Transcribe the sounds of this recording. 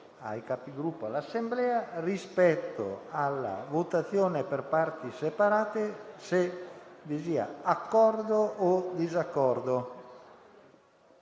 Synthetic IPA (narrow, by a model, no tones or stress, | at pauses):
a̰jkapiɡɾupːoalasːemblɛːarispɛt̪ːo̰alːa̰vot̪at̪sjoːneperpart̪isepaɾaːt̪esevisiːa̰akːɔrd̪ood̪izakːɔrd̪o